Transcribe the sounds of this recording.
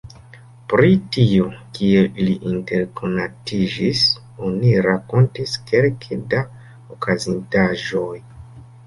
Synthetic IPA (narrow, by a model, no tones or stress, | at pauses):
pɾitio̞kieiliʔinte̞ɾko̞natid͡ʒis | o̞niɾako̞ntiskʰe̞lkʰeda | okʰazintaʒo̞j